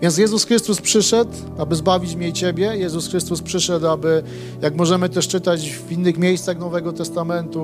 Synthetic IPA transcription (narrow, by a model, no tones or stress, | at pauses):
vʲjɛns̬ʲjɛzusxɾɘst̪uspʂɘʂɛt̪ | abɘzbavʲit͡ɕmɲɛt͡ɕebʲjɛjɛzusxɾɘst̪uspʂɘʂɛt̪abɘ | jaɡmɔʐɛmɘt̪ɛʂt͡ʂɘt̪ad͡ʑvinːɘxmʲjejst̪saxnɔvɛɡɔt̪ɛst̪amɛnt̪u